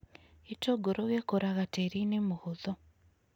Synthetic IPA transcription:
itoɡoɾoɣjekoɾaɣateɾinemuɣuðo

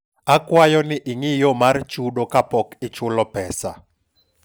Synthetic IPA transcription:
akwajɔnɪʔɪŋɪjɔmart͡ʃudokapɔkɪt͡ʃʊlɔpɛsa

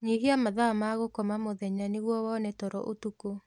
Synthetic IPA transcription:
ɲiɦiamaðamaːɣokɔmamoðɛɲaneɣwɔwɔnɛtɔɾɔ̰ʔotuko

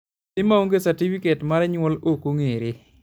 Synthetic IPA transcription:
ɪmaoŋɡesaɾtifiketmaɾɛɲwɔlokoŋeɾe

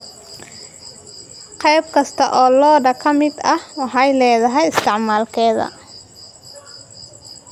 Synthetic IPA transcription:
qɛjb̚kʰɐst̪ʰɐʔɔːlɔːɖɐkʰɐmɪd̪ɐhwɑħɑjlɛːðɐɦɛjɪst̪ʰɪʕmaːlkʰɛːðɐ̰

